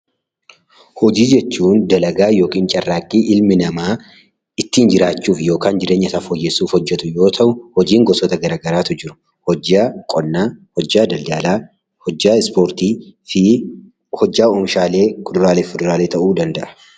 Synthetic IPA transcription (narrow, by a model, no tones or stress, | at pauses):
hɔd͡ʒiːd͡ʒɛt͡ʃːuːnd̪ɐlɐɡaːjo̞ːkʼiːnt͡ʃʼɐrːaːkʼːiːʔɪlmɪnɐmaː | ɪt̪ːiːnd͡ʒɪɾaːt͡ʃːuːfjo̞ːkaːnd͡ʒɪɾeːɲːɐsɐfɔjːɛsuːfhɔd͡ʒːɛt̪ʊjo̞ːt̪ʰɐʔʊhɔd͡ʒiːŋɡɔsɔt̪ɐɡɐɾaːɡɐɾaːt̪ʊd͡ʒɪɾʊ̥ | hɔakʼɔnːaːhɔd͡ʒːaːd̪ɐldaːlaː | ɔd͡ʒːaːɪspoːɾt̪iːɪ | hɔd͡ʒːaːoːmʃaːle̞ːkʰʊd̪ʊɾaːleːfʊd̪ʊɾaːleːt̪ɐʔuːd̪ɐnd̪ɐʔɐ̥